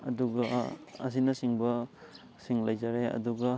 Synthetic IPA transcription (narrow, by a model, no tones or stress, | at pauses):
ɐ̰duɡɐ̰ːs̬inɐsiŋbɐ | siŋlɐjzaɾeɐ̰duɡɐ